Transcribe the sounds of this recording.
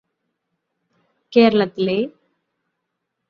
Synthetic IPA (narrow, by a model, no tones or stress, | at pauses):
keːɾɐɭɐt̪ːile